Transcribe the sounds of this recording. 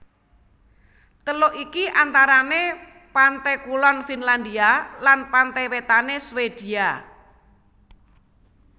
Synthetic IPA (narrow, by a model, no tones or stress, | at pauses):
t̪əloʔikiʔant̪aɾane | pant̪ɛkulɔnfinland̪ialanpant̪ɛwet̪aneswed̪̥ia